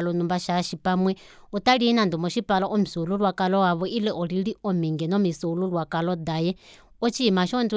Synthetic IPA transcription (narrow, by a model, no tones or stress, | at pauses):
lɔnumbaʃaʃipamwɛ | ɔt̪aɺiinand̪umɔʃipalɔʔɔmisuuluɺwakʼalɔwaβɔʔilɛʔɔɺiɺiɔmɛŋɡɛnɔmisuuluɺwakʼalɔd̪ajɛ | ɔt͡ʃʰimaʃɔnd͡z